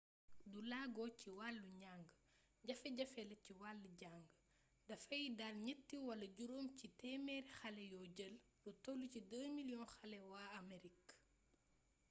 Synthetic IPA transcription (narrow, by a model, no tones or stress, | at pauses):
dulaːɡɔːciwalːuɲaŋɡə | ɟɐfɛɟɐfɛlɐciwalːuɟaŋɡ | dɐfɐjidalɲətːiwɐlɐɟuɾoːmcitɛːmɛːɾxɐlɛjɔːɟəl | dutɔlucidəːmiljɔnxɐlɛwaːɐmeɾik